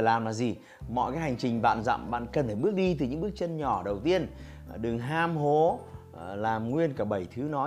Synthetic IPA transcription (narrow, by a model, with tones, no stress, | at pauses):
laː˨˩mlaː˨˩zi˨˩ | mɔ̰˧˨jkaː˨˦ha˨˩jŋ̟t͡ɕï˨˩ŋ̟va̰ː˧˨nza̰˧˨mɓa̰ː˧˨nkə˨˩nt̪ʰaː˧˩ɓɨ˦˥ək̚ɗi˧t̪ɨ˨˩ɲɨ̰˧˥ŋɓɨ˦˥ək̚t͡ɕə˧nɲɔ˧˩ɗə˨˩wt̪i˧ən | ɗɨ˨˩ŋɦaː˧mɦo˨˦ | laː˨˩mŋwi˧ənkaː˧˩ɓə˧˩jt̪ʰɨ˨˦nɔ˨˦